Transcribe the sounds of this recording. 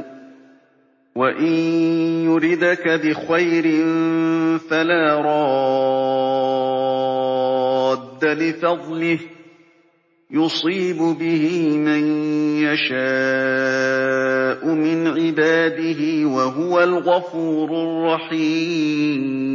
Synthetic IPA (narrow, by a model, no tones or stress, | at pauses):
waʔɪnjʊɾɪd̪akabɪxajɾɪnfalaːɾˤɑ | d̪ːalɪfɑd̪ˤlɪh | jʊsˤiːbʊbɪhɪmanjaʃa | ʔʊmɪnʕɪbaːd̪ɪɦɪwaɦʊwalɣafuːɾʊrˤːɑħiːm